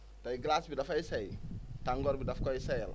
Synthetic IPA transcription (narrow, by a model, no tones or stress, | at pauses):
tɐjɡlaːsbidɐfɐjsɛjtaŋɡɔːɾbidɐfkɔjsɛjl